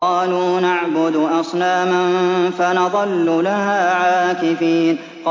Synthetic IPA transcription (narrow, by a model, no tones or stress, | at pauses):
ɑːluːnaʕbʊd̪ʔɑsˤnaːmanfanɑðˤɑlːʊlaɦaːʕaːkɪfiːn | q